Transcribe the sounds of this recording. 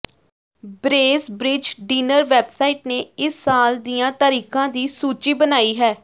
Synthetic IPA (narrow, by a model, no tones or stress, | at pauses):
bɾeːsbɾɪd͡ʒɖiːnəɾʋɛːbsaːiːʈneːɪsːaːld̪ijãːt̪əɾiːkãːd̪iːsuːt͡ʃiːbənaːiːɦɛː